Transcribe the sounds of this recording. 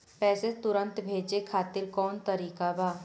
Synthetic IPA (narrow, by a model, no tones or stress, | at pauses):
pɛːset̪ʊɾə̃nt̪bʱeːd͡ʒekʰaːt̪ɪɾkɔːnt̪əɾiːkabaː